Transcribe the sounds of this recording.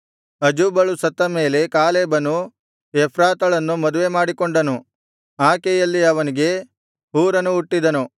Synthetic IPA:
ɐd͡ʒuːbɐɭusɐt̪ːɐme̞ːle̞kaːleːbɐnu | epʰɾaːt̪ɐɭɐnːumɐd̪uʋe̞maːɽikoɳɖɐnu | aːkejɐlːiɐʋɐniɡe̞ | ɦuːɾɐnuːʈːid̪ɐnu

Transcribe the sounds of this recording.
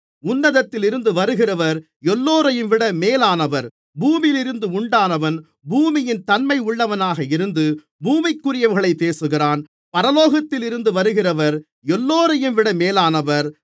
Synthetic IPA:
ʊnːɐðɐt̪ːɪlɪɾɯnd̪ɯʋɐɾɯɣɪrɐʋɐɾ | ɛlːoːɾɐjɯmʋɪɽɐmeːlaːnɐʋɐɾ | buːmɪlɪɾɯnd̪ɯʊɳɖaːnɐʋɐn | buːmɪjɪnt̪ɐnmɐɪʊɭːɐʋɐnaːɣɐɪɾɯnd̪ɯ | buːmɪkːʊrɪjɐʋɐɾɣɐɭɐɪpːeːsɯɣɪraːn | pɐɾɐloːɣɐt̪ːɪlɪɾɯnd̪ɯʋɐɾɯɣɪrɐʋɐɾ | ɛlːoːɾɐjɯmʋɪɽɐmeːlaːnɐʋɐɾ

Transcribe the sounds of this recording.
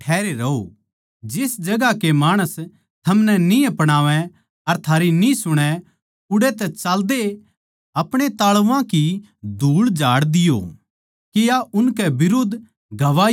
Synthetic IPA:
ɛːɾeɾɐo̰ | d͡ʒɪsd͡ʒɐɡakemaːɽ̃əs | t̪ʰɐmnɛniɐpɽ̃aːʋɛ̃ | ɐɾt̪ʰaːɾinĩsʊɽ̃ɛ | ʊɽet̪ɛt͡ʃaːld̪e | ɐpɽ̃et̪aːɭʊʋãki | d̪ʱuːɭd͡ʒaːɽd̪ɪjo̰ | kijaʔʊnkɛbɪɾʊd̪ | ɡʱɐʋaː

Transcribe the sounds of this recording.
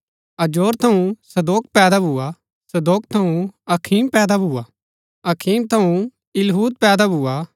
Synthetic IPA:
ɐd͡ʒoːɾt̪ʰɐũsɐd̪oːk̚pɛːd̪abʱua | sɐd̪oːk̚t̪ʰɐũɐkʰiːmpɛːd̪abʱua̰ | ɐkʰiːmt̪ʰɐũ | ɪlɦuːt̪̚pɛːd̪abʱua

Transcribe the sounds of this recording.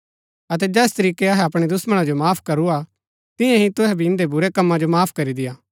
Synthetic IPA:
ɐt̪̬ɛd͡ʒɛːst̪ɐɾiːkeɐɦɛɐpɽ̃ed̪ʊsməɽ̃ad͡ʒomaːpʰkɐɾua | t̪ɪ̃jãɦĩt̪ʊɦɛbʱiɪ̃nd̪ebʊɾekɐmːad͡ʒomaːpʰkɐɾid̪ɪjaː

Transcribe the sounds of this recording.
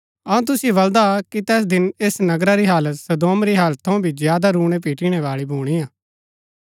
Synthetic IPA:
ɐũt̪ʊsibɐld̪akit̪ɛːs̬d̪ɪneːsnɐɡɾaɾiɦaːlət̪sɐd̪oːmɾiɦaːlət̪ʰːɐũbʱizɪjaːd̪aɾuːɽ̃epiːʈiːɽ̃eʋaːɭibʱuːɽ̃iːjaː

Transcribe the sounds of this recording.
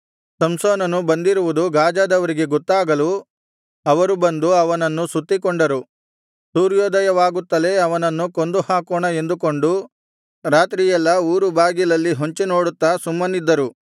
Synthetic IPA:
sɐmsoːnɐnubɐnd̪iɾuʋud̪uɡaːd͡ʒaːd̪ɐʋɐɾiɡe̞ɡɔt̪ːaːɡɐlu | ɐʋɐɾubɐnd̪uɐʋɐnɐnːusut̪ːikoɳɖɐɾu | suːɾjɔːd̪ɐjɐʋaːɡut̪ːɐle̞ɐʋɐnɐnːuko̞nd̪uhaːkoːɳɐe̞nd̪uko̞ɳɖu | ɾaːt̪ɾijɛlːɐuːɾubaːɡilɐlːiɦo̞ɲt͡ʃeno̞ːɽut̪ːaːsumːɐnid̪ːɐɾu

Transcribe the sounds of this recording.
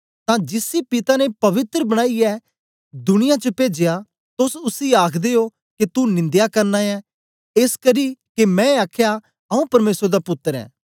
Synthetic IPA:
t̪ãd͡ʒɪsipɪt̪anepɐʋɪt̪ɾəbɐɽ̃aːiɛ | d̪ʊñɪjãt͡ʃəpeːd͡ʒeja | t̪ʊsʊsiaːkʰd̪eːo | ket̪unɪ̃nd̪jakɐɾnaːjɛ | eskəɾiːkemɛ̃aːkʰeja | ɐũpɐɾmeːsɾd̪apʊt̪ːəɾɛ̰̃ː

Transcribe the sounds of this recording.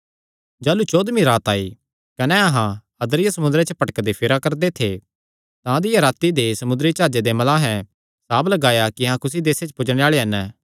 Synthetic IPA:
d͡ʒaːlut͡ʃoːd̪miɾaːt̪aːi | kɐnɛɐɦã | ɐd̪ɾɪjasɐmʊnd̪ɾet͡ʃəpɐʈəkd̪epʰɪɾakɐɾd̪et̪ʰe | t̪ãd̪ɪjaɾaːt̪id̪esɐmʊ̃nd̪ɾit͡ʃaːd͡ʒed̪emɐlãɦɛ̃ | saːblɐɡaːjakiɐɦãkʊs̬id̪eːset͡ʃpʊd͡ʒɽ̃ẽaːɭeɦɐn

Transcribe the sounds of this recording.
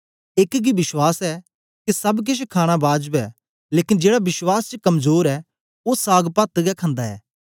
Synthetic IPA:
ɪkɡibɪswaːsɛ | kisɐbk̬ɪʃkʰaːɽ̃abaːd͡ʒbɛ | leːkɪnd͡ʒeːɽabɪswaːst͡ʃəkɐmzoːɾɛ | osaːɡpat̪ɡɛkʰãːnd̪aɛ̰ː

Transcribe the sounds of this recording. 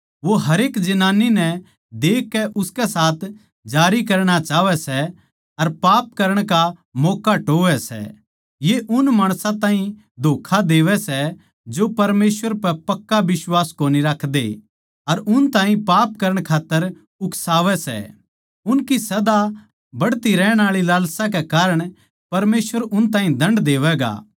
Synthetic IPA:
ʋoɦɐɾeːkd͡ʒɐnaːninɛ | d̪eːkːɛʔʊskɛsaːt̪ʰ | d͡ʒaːɾikɐɾɽ̃at͡ʃaːʋɛsɛ | ɐɾpaːp̚kɐɾəɽ̃kamɔːkaʈoːʋɛsɛ̰ | jeʔʊnmaːɽ̃sãt̪ãːɦĩ | d̪ʱoːkʰad̪eːʋɛsɛ | d͡ʒopɐɾmeːsʋəɾpɛpɐkːaʋɪswaːskoːniɾɐkʰd̪ḛ | ɐɾʊnt̪ãːɦĩpaːp̚kɐɾəɽ̃kʰaːt̪ːəɾ | ʊkʰsaːʋɛsɛ̰ | ʊnkisɐd̪a | bɐɽt̪iɾɛːɽ̃aːɭilaːlsãk̬ɛkaːɾəɽ̃ | pɐɾmeːsʋəɾʊnt̪ãːɦĩd̪ʱɐ̃ɳɖd̪eːʋɛɡa̰ː

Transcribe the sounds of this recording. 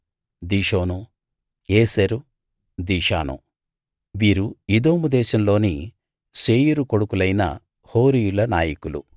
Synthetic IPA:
d̪iːʂoːnu | eːseɾu | d̪iːʂa̰ːnṵ | ʋiːɾuid̪oːmud̪ɛːʃɐmlo̞ːni | seːjiɾuko̞ɽukulɐjnɐ̰ | ho̞ːɾijulɐnaːjikulṵ

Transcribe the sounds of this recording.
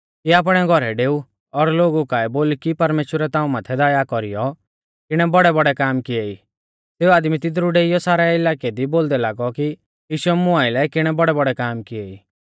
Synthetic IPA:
kiaːp̬ɽ̃ɛɡʱɔɾɛɖeːu | ɔɾloːɡukaːɛboːlkipɐɾmeːʃwəɾɛt̪ãːũmaːt̪ʰɛd̪aːjakɔɾijɔ | kɪɽ̃ɛbɔɽɛbɔɽɛkaːmkɪei | seːuaːd̪mit̪ɪd̪̬ɾuɖeːijɔsaːɾɛɪlaːked̪iboːld̪ɛlaːɡɔki | jiːʃʊɛmʊaɪlɛkɪɽ̃ɛbɔɽɛbɔɽɛkaːmkɪeḭː

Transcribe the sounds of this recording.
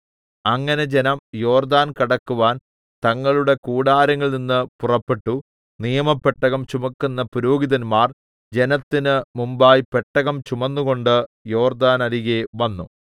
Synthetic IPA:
ɐŋːɐne̞d͡ʑe̞nɐmjo̞ːrd̪aːnkɐɽɐkːuʋaːn | t̪ɐŋːɐɭuɽe̞kuːɽaːɾɐŋːɐɭninːɨpurɐpːeʈːu | nijɐmɐpːeʈːɐɣɐmt͡ɕumɐkːunːɐpuɾoːɡiðɐnmaːr | d͡ʑe̞nɐt̪ːinɨmumbaːjpe̞ʈːɐɣɐmt͡ɕumɐnːuɣo̞ɳɖɨjo̞ːrd̪aːnɐɾiɣeʋɐnːu

